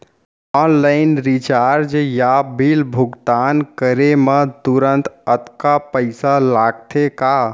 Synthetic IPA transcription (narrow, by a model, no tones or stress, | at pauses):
ɔnlaɪnɾit͡ʃaɾd͡ʒjabʱilbʱʊɡt̪ankəɾemət̪uɾənt̪ət̪kapəɪsalaɡt̪ʰeka